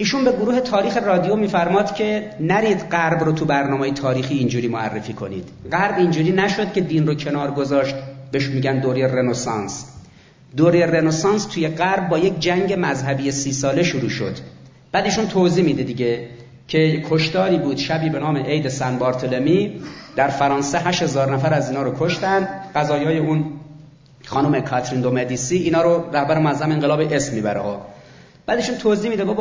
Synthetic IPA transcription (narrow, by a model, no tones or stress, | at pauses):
iːʃunbeɡoɾuːhe̞t̪ʰɒːɾiːxe̞rɒːd̪ijomiːfæɾmɒːd̪̥cʲʰe̞næɾiːd̪ɢæɾbɾot̪ʰubæɾnɒːmeːjet̪ʰɒːɾiːxiːnd͡ʒuːɾiːmoæ̰rːefiːkʰo̞nḭːd̪̥ɢæɾbind͡ʒuːɾiːnæʃo̞d̪̚cʰʲe̞d̪iːnrocʰe̞nɒːɾɡo̞zɒːʃt̪beʃmiːɟænd̪oɾerenosɒns | d̪oɾeerenosɑːnst̪ʰuːjeɢæɾb̚ːɒːje̞kd͡ʒæŋɟemæzhæbiːjesiːsɒːle̞ʃuɾuːʃo̰d̪̥ | b̥æd̪iːʃunt̪ʰoziːmiːd̪ed̪iɡɟe̞ | cʰe̞kʰːoʃt̪ɒːɾiːbuːd̪̥ʃæbiːbe̞nɒːme̞ʔejd̪e̞sænbɒːɾt̪ʰolemiːd̪̥æɾfæɾɒːnseɦæʃhe̞zɒːɾnæfæɾæziːnhɒːɾokʰoʃt̪ænd̪ɢæzɒːjɒːjeun | xɒːnomekʰɒt̪ʰɾind̪omed̪iːsiːʔiːnhɒːɾoɾæhbæɾemoæzːæmeeŋɢelɒːbeʔesmːiːbæɾeho | b̥æːd̪iːʃuːnt̪ʰoziːmiːd̪ebob